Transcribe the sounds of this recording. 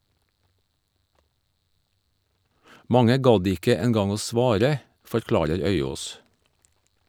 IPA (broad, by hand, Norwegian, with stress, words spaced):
ˈmɑŋə ˈɡɑd ˈɪkə ɛnˈɡɑŋ ˈoː ˈsʋɑːɾə fɔɾˈklɑːɾəɾ ˈœʏˌoːs